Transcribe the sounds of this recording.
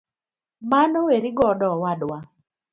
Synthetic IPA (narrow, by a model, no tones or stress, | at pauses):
manɔweɾiɡɔdɔwadwa